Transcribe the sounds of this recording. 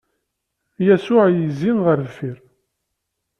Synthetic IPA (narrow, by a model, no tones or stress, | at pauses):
jæsʊʕjəzinʁəɾðfiɾ